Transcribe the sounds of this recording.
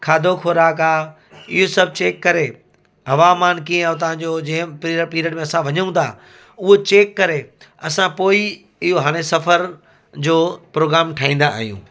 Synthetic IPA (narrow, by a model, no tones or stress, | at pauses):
kʰaːd̪ʱokʰoːɾaːkaː | ɪ̰ɦosɐb̚ʱt͡ɕeːkːɐɾe | ɦɐʋaːmaːnkiẽt̪̬ɐʋ̤ãɲd͡ʑoːd͡ʑɐ̃ɦɪ̃piəpiːɾəʈmẽɐsãʋɐɲũt̪ʰa̰ː | ʊɦot͡ɕeːkːɐɾe | ɐsãpoːi | ɪɦoɦaːɽ̃esɐfəɾ | d͡ʑoːpɾoːɡɾaːmʈʰaːĩːnd̪a̰ːɦijṵ̃ː